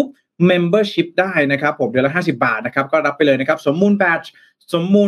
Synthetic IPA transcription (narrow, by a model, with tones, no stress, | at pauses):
p̚ | me˧mbɤː˥˩ɕi˦˥p̚daː˥˩jna˦˥kʰɾa˦˥pʰːo˩˦mdɯ˧la˧˥ɦaː˥˩si˨˩p̚ba̰ː˨˩t̪̚na˦˥kʰa˦˥p̚kɔː˥˩ɾa˦˥p̚ːa˧jlɤː˧jna˦˥kʰa˦˥p̚so˩˦mːuː˧npɛː˧˥t͡ɕ | so˩˦mːuː˧